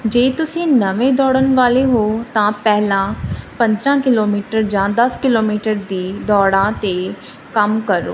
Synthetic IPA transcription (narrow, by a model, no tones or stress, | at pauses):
d͡ʒeːt̪ʊsĩːnəʋẽːd̪ɔːɽənʋaːleːɦoːt̪ãːpɛɦlãːpə̃nd̪ɾãːkɪloːmiːʈəɾd͡ʒãːd̪əskɪloːmiːʈəɾd̪iːd̪ɔːɽãːt̪eː | kəmkəɾo̰ː